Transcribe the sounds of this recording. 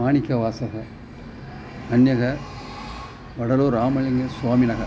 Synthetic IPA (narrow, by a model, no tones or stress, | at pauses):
aːnɪkʲːɐʋaːsɐɣɐ | ɐnjɐɣɐ | ʋɐɽɐɾoːɾaːmɐlɪŋɡɐswaːmɪnɐɣɐ